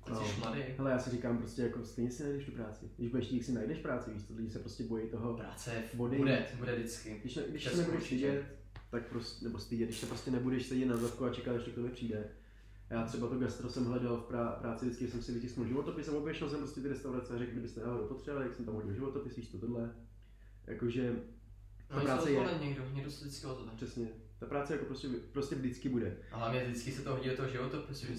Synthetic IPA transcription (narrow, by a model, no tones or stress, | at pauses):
oʃmadɪɦɛlɛjaːsɪrikaːmpɾoscʲɛjakost̪ɛjɲɛsɪnajdɛʃt̪ɪpɾaːt͡sɪ̰ɡdɪʒbudɛʃt̪iːksɪnajdɛʃfpɾaːt͡sɪɡdɪʃt̪olɪɟɪsɛpɾoscʲɛbo̞jɛjt̪oɦoɾaɛbodɪdɛbudɛdɪt͡skɪdɪʃɛɡdɪʃnɛbudɛʃsɪɟɛt̪ | t̪ak̚pɾosnɛbost̪ɪɟɛdɪʃsɛpɾoscɛnɛbudɛʃsɛjɟɛt̪̚nazafkuat͡ʃɛkalɛʃtɪkt̪omɛpr̥iːdɛ | jaːt̪r̥ɛbat̪oɡast̪ɾosɛmɦlɛdalfpɾaːpɾaːt͡sɪvdɪt͡skɪʒɛsɛmsɪlɪcɪskmɪlʒɪvot̪opɪsamobjɛʃɛlsɛmpɾo̞scɛt̪ɪɾɛst̪awɾat͡sɛaɾɛkɡɡdɪbɪst̪ɛdaːlɪopot̪r̥ɛvalɪj̪aksɛmt̪amɦoɟɪlʒɪvot̪opɪsviːst̪ot̪odlɛ | jʔa̰koʒɛ | t̪apɾaːt͡sɛjɛɛɲɛɡdoɦɲɛɡdosdɪt͡skɪot̪ot̪pr̥ɛsɲɛ | t̪apɾaːt͡sɛjakopɾoscɛpɾoscʲɛvdɪt͡skɪbudɛɦlavɲɛdɪt͡skɪsɛt̪oɦoɟɪɛt̪ooʒɪvot̪opɾoscɛ